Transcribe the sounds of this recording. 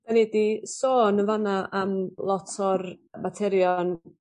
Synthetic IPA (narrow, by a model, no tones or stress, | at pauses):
vɛnɛdisoːnəvanaʔamlˠɔtʰɔrmatʰɛɾjɔn